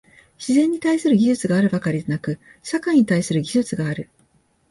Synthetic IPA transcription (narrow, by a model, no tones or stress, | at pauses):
ɕizẽ̞ɲ̟ːit̪aisɨɾɯ̟ɡʲiʑɨt͡sɨɡaːɾɯ̟bakaɾʲid̪e̞nakɯ̟ | ɕakaĩɲ̟it̪aisɨɾɯ̟ɡʲiʑɨt͡sɨɡaːɾɯ̟